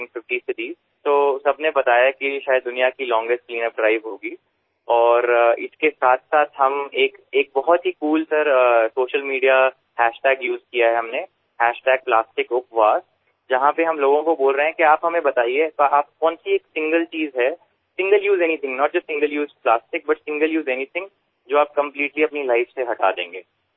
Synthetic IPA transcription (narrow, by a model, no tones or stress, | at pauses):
ŋfɪfʈisɪʈiː | t̪oːsɐbnebɐt̪aːjakiʃaːjəd̪ːʊnijakilɔ̃ːŋɡesʈkliːnəpɖɾaːɪʋɦoːɡi | ɔːɾɪskesaːt̪ʰsaːt̪ʰɦɐmeːkeːk̚bɐɦɔt̪ɦikuːlsɐɾsoːʃəlmiːɖija | hɛːʃʈɛːɡjuːzkijaɦɛɦɐmne | hɛːʃʈɛːɡ̚plaːsʈɪkʊpʋaːs | d͡ʒɐɦãpeɦɐmloːɡõkoboːlɾəɦeɛ̃kiaːpɦɐmẽbɐt̪aːieaːp̚kɔːnsieːksɪ̃ŋɡəlt͡ʃiːzɦɛ | sɪ̃ŋɡəljuːzɛnit̪ʰɪ̃ŋɡnɔːʈ̚d͡ʒosɪ̃ŋɡəljuːzplaːsʈɪk̚bɐʈsɪ̃ŋɡəljuːzɛnit̪ʰɪ̃ŋɡ | d͡ʒoːaːp̚kɐ̃mpliːʈliɐpnilaɪfseɦɐʈa̰ːd̪ḛ̃ːŋɡeː